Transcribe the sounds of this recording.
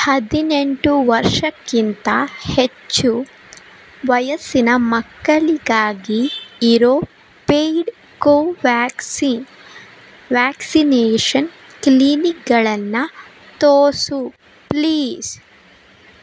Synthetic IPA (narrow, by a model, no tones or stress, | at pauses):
hɐd̪ineɳʈuʋɐɾʂɐkːint̪ɐhet͡ʃːu | ʋɐjɐsinɐmɐkːɐɭiɡaːɡiːɾoː | pejɖ | koːʋsin | ʋaːksineːʂɐn | klinik̚ɡɐɭɐnːɐ | t̪oːsu | pliːs